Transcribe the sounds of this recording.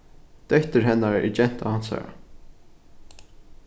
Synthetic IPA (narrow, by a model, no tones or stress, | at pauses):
d̪̥œht̪əɹɦɛnːaɹɛ̰d͡ʒɛn̥t̪ahansa̰ːɹa̰